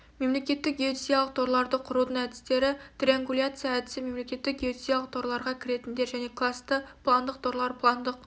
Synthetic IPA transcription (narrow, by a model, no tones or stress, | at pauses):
me̞mle̞kʲe̞t̪ːɪk̚ɡʲeot̪isijalˠəq̚t̪ʰo̞ɾlˠɑɾd̪əqʰʊɾud̪əɴæd̪ɪ̥st̪e̞ɾɪt̪rʲeaŋɡulʲat̪sɨjaːd̪ɪsɪme̞mle̞kʲe̞t̪ːɪk̚ɡʲeot̪isijalˠəq̚t̪ʰo̞ɾlˠɑɾʁɑkʲʰɪɾe̞t̪ɪnd̪e̞ɾʒæne̞kʰlˠast̪əplˠand̪əq̚t̪ʰoɾlˠɑɾpʰlˠɑnd̪əq̚